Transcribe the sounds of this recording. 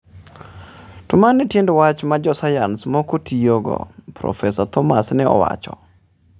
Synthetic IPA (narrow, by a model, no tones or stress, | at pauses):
tʊmanɛtjendɔwat͡ʃmad͡ʒɔsajansmɔkotʰijoɡɔ̰pɾɔ̰fɛsat̪ɔmasnɛɔ̰wa̰t͡ʃɔ̰